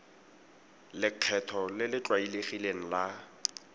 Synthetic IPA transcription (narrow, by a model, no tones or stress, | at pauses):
lɪq͡χʰɛtʰɔlɪlɪt͡ɬʼwaileχileŋ̩la